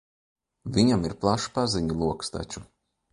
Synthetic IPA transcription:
vʲiɲamiɾplˠaʃpaziɲulˠuɔkst̪a̰t͡ʃu

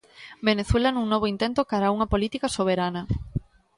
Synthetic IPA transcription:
beneθwelɐnuŋnoβoint̪ent̪okaɾauŋɐpolit̪ikasoβ̞eɾanɐ

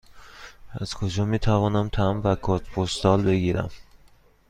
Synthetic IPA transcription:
æz̥kʰod͡ʒɒːmiːt̪ʰævɒːnæmt̪ʰæmvækʰoɾt̪pʰost̪ɒːlbe̞ɡiːɾæ̰m

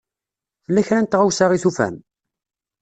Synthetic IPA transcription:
θəlːæçɾænt̪ʁawsaʁiθufæ̰n

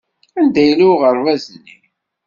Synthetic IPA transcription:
ænd̪æjəluʁəɾvæzni

